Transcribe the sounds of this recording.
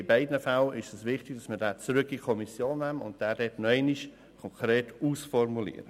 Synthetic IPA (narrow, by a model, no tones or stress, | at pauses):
ɪbaɪdnəfɛlɪʃɛsʋɪχtɪɡ̥̚d̥ɑsmiːɾdɛːt͡sɾʏkːikʰɔmisjoːnʋaməʊnt̚d̥ɛːdɛtnɔɛɪniʃ | kʰɔŋkɾeːtuːsfɔrmulḭːəɾə